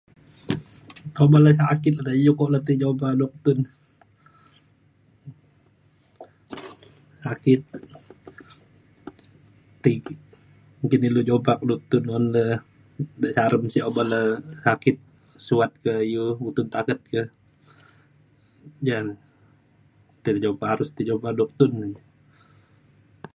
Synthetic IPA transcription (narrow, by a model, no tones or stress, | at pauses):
t̪obaləs̬akɪt̪̚ədaijukɔʔlət̪id͡ʒopakdɔk̚t̪un | sakɪt̪̚ | ik | mukinilud͡ʒobak̚dɔk̚t̪ʊnɔnlə | dəsaɾəmsiobaləsakɪt̪̚ | suat̪̚kəijuut̪ʊnt̪akət̪̚kə | d͡ʒan | t̪idd͡ʒopahaɾʊst̪id͡ʒobakdɔk̚t̪ʊnə